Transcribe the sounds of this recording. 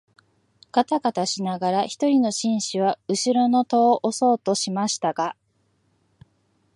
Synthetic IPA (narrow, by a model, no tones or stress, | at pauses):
ɡ̥at̪aɡat̪aɕinaɡaɾaçi̥t̪o̞ɾʲino̞ɕĩɰ̃ɕiβ̞aɯ̟ɕiɾo̞no̞t̪oːʔoso̞ːt̪o̞ɕimaɕi̥t̪aɡa